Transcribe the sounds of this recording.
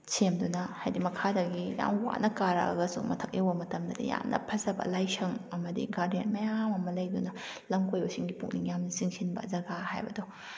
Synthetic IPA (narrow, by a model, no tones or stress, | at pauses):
semdunɐhajdimɐkʰadɐɡija̰mwa̰nɐkaɾɐ̰ɐ̰ɡɐsṵŋmɐ̰tʰɐk̚jɐwbɐmɐtɐmdɐdɐ̰ja̰mnɐ̰pʰɐzɐbɐ̰lajsʰɐŋɐmɐdḭɡaɾdent̚mɐjamɐmɐlɐjdunɐlɐmkojbɐsiŋɡipuk̚niŋjamnɐsiŋsʰinbɐ̰zɐɡahajbɐ̰dɔ